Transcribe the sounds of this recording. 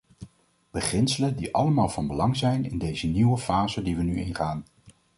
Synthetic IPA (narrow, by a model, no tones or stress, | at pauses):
b̥əχɪnsələndiʔɑ̰ləmaːlˠvɑnbəlɑŋzɛjnɪ̰ndejzəniwəfaːzədiʋənyɪnχaːn